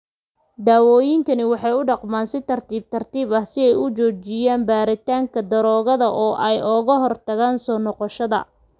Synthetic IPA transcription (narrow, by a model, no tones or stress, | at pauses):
d̪aːwɔːjɪŋkʰɐnɪwɑħɑjʊɖɑqmaːnsɪt̪ʰɐrt̪ʰiːb̚t̪ʰɐrt̪ʰiːβɐhsɪɛjʊt͡ʃɔːt͡ʃɪjaːnbaːɾɪt̪ʰaːŋkʰɐd̪ɐɾɔːɣɐðɐʔɔːʔɛjʔɔɣɐɦɔrt̪ʰɐɣaːnsɔːnɔqɔʃɐðɐ̰